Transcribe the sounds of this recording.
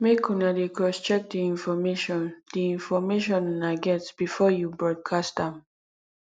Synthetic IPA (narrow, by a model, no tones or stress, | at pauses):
mekʰunadekɔst͡ʃɛk̚diĩnfɔmeʃɔ̃ndiĩnfɔmeʃɔ̃nnaɡɛtb̥ifɔjubɹɔd̚kʰastãm